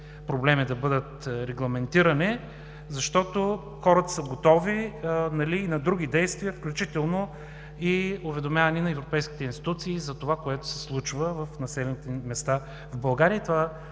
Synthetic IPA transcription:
pɾoblɛmid̪ɐbɤd̪ət̪ɾɛɡlˠɐmɛnt̪iɾɐnɛ | zɐʃt̪ɔt̪o | xɔɾət̪ɐ̥səɡot̪ɔvinɐliːnɐd̪ɾuɡ̟ʲid̪ɛjst̪viəfklʲut͡ʃit̪ɛlˠno | iʊvɛd̪omʲjavɐninɐɛvɾopɛjskʲi̥t̪ɛinst̪i̥t̪ut̪siːzɐt̪ovakoɛt̪ʊ̥sɛ̥slˠut͡ʃvəvɐfnɐsɛlɛnit̪ɛmɛst̪a | vbɐlˠɡaɾiət̪ova

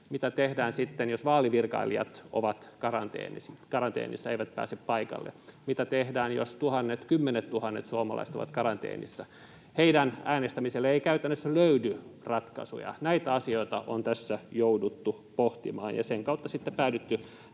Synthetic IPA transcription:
mit̪æt̪ehdæːnsit̪ːenjosʋɑːliʋirkɑ̰iliɑ̰t̪o̰ʋɑt̪kɑrɑ̰nt̪ḛːnisikɑrɑnt̪ḛːnḭsːɑeiʋæt̪̚pæ̰ːseppɑikɑ̰lːḛmit̪æt̪ehdæːnjo̰st̪uhɑnːet̪kymːenet̪t̪uhɑnːet̪suomɑ̰lɑ̰iset̪o̰ʋɑ̰t̪kɑrɑnt̪ḛːnḭsːɑ | heidænæːnest̪æmiselːeeikæyt̪ænːøsːæløydyrɑt̪kɑ̰sṵjɑ̰næit̪æɑsioit̪ɑʔont̪æsːæjoudut̪ːu | poht̪ḭmɑ̰ːnjɑ̰seŋkɑut̪ːɑsit̪ːepæːdet̪ːy

